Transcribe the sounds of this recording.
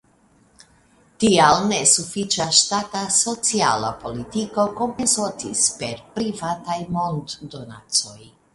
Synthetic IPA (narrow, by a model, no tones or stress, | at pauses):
tialne̞sufit͡ʃaʃtataso̞t͡sia̰la̰po̞litiko̞ko̞mpensotispe̞ɾpɾivatajmo̞ndːo̞na̰t͡so̞j